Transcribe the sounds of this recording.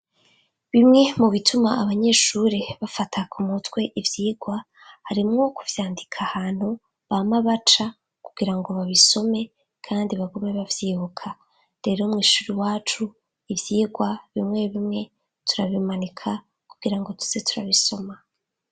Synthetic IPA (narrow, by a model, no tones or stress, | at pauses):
βimŋe̞muβitʰumaːβaɲe̞ːʃuɾiβafatʰakumutwe̞ʔivjiːɡwa | haɾimŋo̞kuvjaːndikʰahaːn̥hu | βamaβat͡ʃa | kuɡ̥iɾaŋɡo̞βaβiso̞me̞ | kʰaːndiβaɡome̞βavjiːβukʰa | ɾe̞ɾo̞mŋiːʃuɾiwaːt͡ʃu | ivjiːɡwaβimŋe̞βimŋe̞ | tuɾaβimanikʰa | kuɡ̥iɾaŋɡo̞tu̥se̞tuɾa̰βiso̞ma